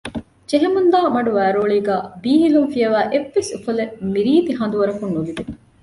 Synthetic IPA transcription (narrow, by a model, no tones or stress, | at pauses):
d͡ʒeɦemund̪aːmɐɖuʋæːɾoːɭiːɡæːbiːɦilunfijɐʋæːʔeʋːesufɐlemiɾiːt̪iɦɐnd̪uʋɐɾɐkunːuʋid̪e